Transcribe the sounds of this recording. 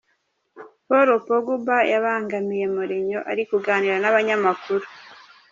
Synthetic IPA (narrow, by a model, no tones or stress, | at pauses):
poɾopoɡubajaβaːŋɡamije̞muɾeɲo̞ʔaɾikuɡaːniɾanaβaɲamakuɾu